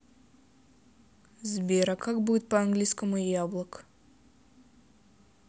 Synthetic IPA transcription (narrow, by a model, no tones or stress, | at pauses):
zbʲeɾakʰak̚bujt̪̚paaŋɡlʲijskəmujablˠək